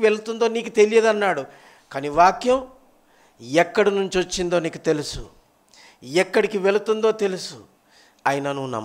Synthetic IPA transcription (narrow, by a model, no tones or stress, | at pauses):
ʋelut̪und̪o̞ːniːkut̪e̞lijeːd̪ɐnːaːɽu | kaːniʋaːkjɐm | ɛkːɐɽinuɲt͡ʃiot͡ʃːind̪o̞ːniːkut̪e̞lusṵ | ɛkːɐɽikiʋe̞lut̪und̪o̞ːt̪e̞lusu | ɐjinɐnuːnɐ̰m